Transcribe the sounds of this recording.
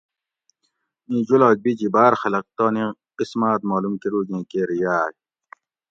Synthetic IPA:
ĩːd͡ʑulaːk̚bid͡ʑibaːɾxɐlɐq̚t̪oːnẽ | qismaːt̪maːlumkeɾuːɡẽːkeɾijaːj

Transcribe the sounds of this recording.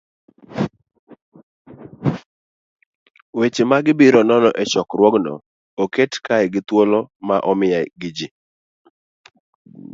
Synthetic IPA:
wet͡ʃemaɡɪbiɾɔnɔnɔʔɛt͡ʃɔkrwɔɡnɔ̰ | oketkaɪɡɪt̪wolɔmaʔɔmɪjajɡɪd͡ʒɪ

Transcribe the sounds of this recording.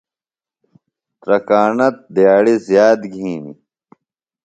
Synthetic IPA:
t̪ɾɐkaːnɐt̪̚d̪jaːɽizjaːd̪ɡʱiːnḭ

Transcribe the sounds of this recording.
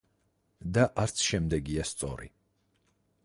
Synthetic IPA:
d̪aʔaɾt̪sʰʃɛmd̪ɛɡiast̪sʼɔ̰ɾḭ

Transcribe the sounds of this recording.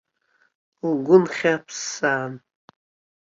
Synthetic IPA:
lɡʷʊnχʲapʰsaːn

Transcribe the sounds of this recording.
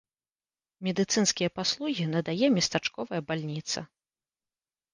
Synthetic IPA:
mʲɛd̪ɨt̪sɨnskʲijɐpaslˠuɣʲinɐd̪ajɛmʲɛst̪at͡ʂkɔvɐjɐbalʲnʲit̪sɐ̰

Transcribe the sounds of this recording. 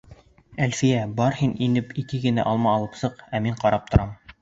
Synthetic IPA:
ælfijæbɑɾhininɘpikɘɡɘ̆næ̰ʔɑlˠmɑːlˠɤpsɤqæmiɴqɑɾɑp̚t̪ŏɾʔɑm

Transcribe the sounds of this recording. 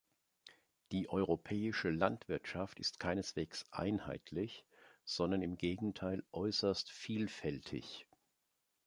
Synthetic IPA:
d̥iːʔɔʏʁopʰɛːɪʃəlantv̥ɪɐtʃaftɪstkʰaɪnəsv̥eːksʔa̰ɪnha̰ɪtʰlɪçz̥ɔndɐnɪmɡeːɡŋ̩tʰaɪlʔɔʏsɐstfiːlfɛltʰɪ̰ç

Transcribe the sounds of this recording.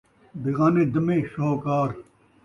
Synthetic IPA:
biɣaːned̪ɐmẽʃookaːɾ

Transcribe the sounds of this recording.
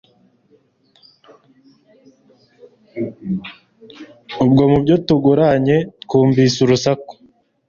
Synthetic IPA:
ubɡo̞mubɟotuɡuɾaɲe̞tkuːmbisuɾusako̥

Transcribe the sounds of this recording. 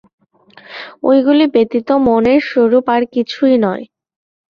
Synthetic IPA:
o̰jɡulibet̪it̪omoneɾʃoɾupaɾkit͡ɕʰuinɔe

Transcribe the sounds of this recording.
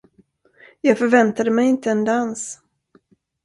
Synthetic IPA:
jɑːɡfœɾvɛnt̪ad̪əmɛjɪnt̪əɛnd̪ans

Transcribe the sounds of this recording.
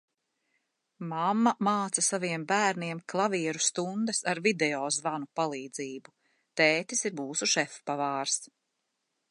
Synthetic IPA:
mamːamaːt̪sasaviɛmbæːɾniɛmklˠaviɛɾust̪und̪ɛsaɾvid̪ɛɔːzvanupalˠiːd̪ziːbu | t̪ɛːt̪isiɾbuːsuʃɛfpːavaːɾs

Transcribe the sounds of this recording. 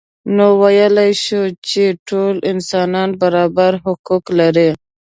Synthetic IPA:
nowajəlajʃut͡ʃeʈolɪnsɑnɑnbaɾɑbaɾɦʊkuklaɾi

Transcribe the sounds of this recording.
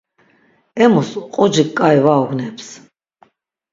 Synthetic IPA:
ɛmɔsqʼɔd͡ʒikʼajvaɔɡnɛps

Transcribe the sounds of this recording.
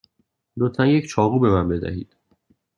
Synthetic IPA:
d̪ot̪ʰænject͡ʃʰɒːɣuːbe̞mæmbe̞d̪æ̰hḭːd̪̥

